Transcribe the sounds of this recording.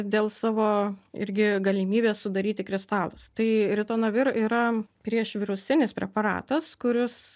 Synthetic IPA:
d̪ʲeːlˠsɑːʋoːɪ̰ɾʲɡʲɪɡɐlʲɪmʲiːbʲeːssʊd̪ɐɾʲiːt̪ʲɪkɾʲɪst̪ɑːlˠʊst̪ɐɪɾʲɪt̪oːnɐʋʲɪɾiɾɐpʲɾʲiɛʃʋʲɪɾʊsʲɪnʲɪspʲɾʲɛpɐɾɑ̰ːt̪ɐskʊɾʲɪs

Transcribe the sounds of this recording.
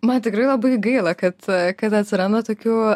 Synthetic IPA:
mɐnt̪ʲɪkɾɐɪlˠɐbɐɪɡɐɪlˠɐkɐt̪kɐt̪ɐt̪ʲsʲɪɾɐnd̪ɐt̪oːkʲuː

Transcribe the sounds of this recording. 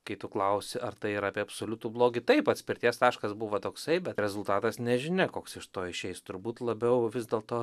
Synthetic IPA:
kɐɪt̪ʊklˠɐʊsʲɪʔɐrt̪ɐɪɪɾɑːpʲeɛɐpsolʲʊt̪ublˠoːɡʲɪt̪ɐɪpɐt̪ʲsʲpʲɪɾʲt̪ʲiɛst̪ɑːʃkɐsbuʋɐt̪oːksɐɪbʲɛt̪ɾʲɛzʊlˠt̪ɑːt̪ɐsnʲɛʒʲɪnʲɛkoːksɪʃt̪oːɪʃʲɛɪst̪ʊɾbuːt̪lˠɐbʲɛʊʋʲɪzd̪ʲeːlˠt̪oː

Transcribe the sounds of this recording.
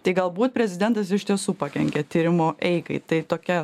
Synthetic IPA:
t̪ɐɪɡɐlˠbuːt̪̚pʲɾʲɛzʲɪd̪ʲɛnt̪ɐs̬ɪʃt̪ʲiɛsuːpɑːkʲɛ̰ŋʲkʲɛt̪ʲiːɾʲɪmoːʔɛɪkɐɪt̪ɐɪt̪oːkʲɛ

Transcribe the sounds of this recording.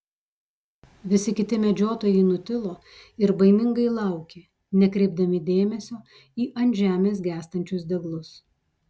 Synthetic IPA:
ʋʲɪsʲɪkʲɪt̪ʲɪmʲɛd͡ʒʲoːt̪oːjɛɪnʊt̪ʲɪlˠoː | ɪɾbɐɪmʲɪŋɡɐɪlˠɑˑʊkʲeː | nʲɛkɾʲɛɪb̚d̪ɐmʲɪd̪ʲeːmʲɛsʲoː | iːʔɐnʲʒʲæːmʲeːs̬ɡʲæːst̪ɐnʲt͡ʃʲʊs̬d̪ʲɛɡlˠʊs

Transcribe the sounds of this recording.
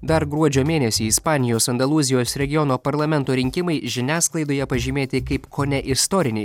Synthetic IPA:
d̪ɐɾɡɾuɔd͡ʒʲoːmʲeːnʲɛsʲiːɪspɑːnʲɪjoːsɐnd̪ɐlˠuːzʲɪjoːsɾʲɛɡʲɪjɔnoːpɐɾlˠɐmʲɛnˑt̪oːɾʲɪŋʲkʲɪmɐɪʒʲɪnʲæːsklˠɐɪd̪oːjɛpɐʒʲimʲeːt̪ʲɪkɐɪpkʰoːnʲɛʔɪst̪ɔɾʲɪnʲɛɪ

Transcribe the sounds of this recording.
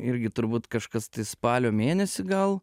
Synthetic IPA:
ɪɾʲɡʲɪt̪ʊɾbuːt̪kɐʃkɐst̪ɐɪspɑːlʲoːmʲeːnʲɛsʲɪɡɐlˠ

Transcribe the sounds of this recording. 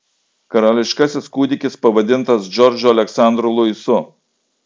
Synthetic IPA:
kɐɾɑːlʲɪʃkɐsʲɪskuːd̪ʲɪkʲɪspɐʋɐd̪ʲɪnt̪ɐsd͡ʒʲɔɾʲd͡ʒʲʊɐlʲɛksɑˑnd̪ɾʊlˠʊɪsʊ

